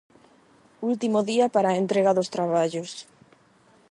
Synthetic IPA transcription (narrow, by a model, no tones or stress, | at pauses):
ult̪imoðiapaɾaent̪ɾeɣaðost̪ɾaβ̞aʎos